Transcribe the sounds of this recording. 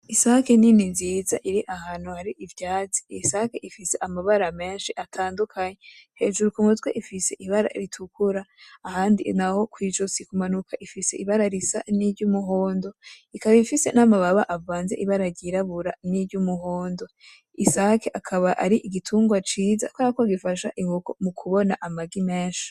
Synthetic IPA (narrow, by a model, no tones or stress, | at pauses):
isaːkeniniziːzaʔiɾiʔahaːn̥huhaɾiʔivjaːt͡si̥isakeʔifise̞ʔamaβaɾame̞ːnʃiʔatʰaːndukʰaɲehe̞ːʒuɾukumutɡweʔifise̞ʔiβaɾa̰ɾitʰukuɾaːhaːndinaho̞kwiːd͡ʒosikumanukʰaʔifise̞iβaɾaɾisaniɾɟumuɦo̞ːndo̞ikaβaifise̞̰namaβaβaʔavaːnze̞̰ʔiβaɾaɾɟiɾaβuɾaniɾɟumuɦo̞ːndo̞ | isaːkeʔakʰaβaʔaɾiʔiɡitʰuːŋɡwat͡ʃiːza̰kwakoɡifaʃaʔiŋɡuko̰mukʰuβo̞naʔamaɡime̞ːnʃi̥